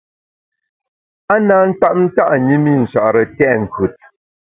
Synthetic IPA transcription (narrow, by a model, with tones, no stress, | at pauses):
a˦naː˨˦n̩˦ta˦ʔ̚n̩˦ta˦ʔɲi˦mi˦˨n̩˨ʃa̰˨ʔɾə˨tɛ˦ʔŋ̩˨kʰu˨t̚